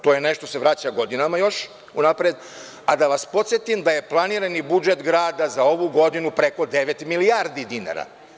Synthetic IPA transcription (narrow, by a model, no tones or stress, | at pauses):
t̪o̞jene̞ʃt̪o̞seʋɾat͡ɕaɡo̞d̪inamajo̞ʃ | unapɾed̪ | ad̪aʋaspot̪sjet̪imd̪aje̞plˠaniːɾanibud͡ʒet̪ɡɾaːd̪azao̞ʋuɡo̞d̪inupɾeko̞d̪eʋet̪miliaɾd̪id̪ina̰ːɾa̰